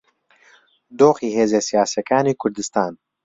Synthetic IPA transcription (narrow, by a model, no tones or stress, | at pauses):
d̪oːxiːɦeːzeːsijaːsjɛkaːniːkʰʊɾd̪ɨst̪aːn